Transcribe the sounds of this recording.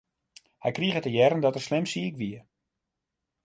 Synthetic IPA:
hɛjkriəɣətəjɛɾəndɔtərslɪmsikʋiə

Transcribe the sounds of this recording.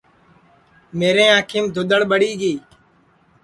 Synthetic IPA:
meːɾẽːãːkʰɪmd̪ʱʊɗ̪əɽɓəɽiːɡiː

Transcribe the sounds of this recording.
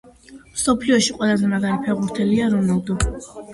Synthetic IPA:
msɔpʰliɔʃiqʼwɛlˠazɛmaɡaɾipʰɛʁuɾt̪ʰɛliaɾunalˠd̪u

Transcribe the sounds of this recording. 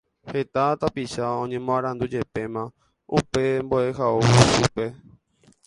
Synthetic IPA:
he̞t̪at̪apiʃaõɲẽmõãɾ̃ãnd̪ud͡ʒe̞pe̞mã | upe̞mboeɦausupe̞

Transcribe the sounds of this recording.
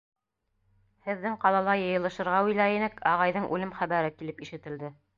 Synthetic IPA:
hɘ̆ðːɘŋqɑlˠɑlˠɑjɤ̆jɤ̆lˠɤ̆ʃɤ̆ɾʁɑʉjlæinɘkɑʁɑjðɤɴʔʉlɘmχæβæɾɘkilɘpiʃɘ̆t̪ɘ̆ld̪ɘ

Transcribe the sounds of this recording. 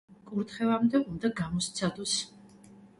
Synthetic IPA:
kʼuɾt̪χɛvamd̪ɛʔund̪aɡamɔst̪sʰad̪ɔs

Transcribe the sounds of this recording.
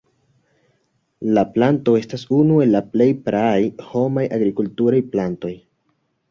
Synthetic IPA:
laplanto̞e̞stasunue̞lːaple̞jpɾaːjho̞majʔaɡɾikultuɾajplanto̞j

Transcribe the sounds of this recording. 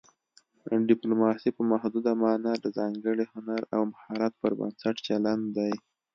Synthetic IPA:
ɖɪplumɑsipəmahd̪ud̪amɑnad̪əzɑŋɡəɽihʊnaɾa̰wmahɑɾat̪̚pəɾbə̰nsaʈt͡ʃaland̪d̪aj

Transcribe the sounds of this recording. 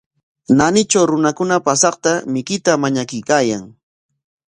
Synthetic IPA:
nanɪt͡ʃawɾʊnakʊnapasɑqt̪amɪkɪt̪amaɲakʊjkaːjaŋ

